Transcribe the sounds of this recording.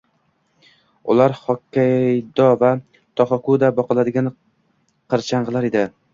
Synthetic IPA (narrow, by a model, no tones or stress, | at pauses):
ʊ̰laɾχɒkʲʰːad̪ɒva | t̪ʰɒχɒkud̪abɒqɨlˠad̪ɪɡʲan | qɨɾt͡ʃʰaɴʁɨlˠaɾed̪ɪ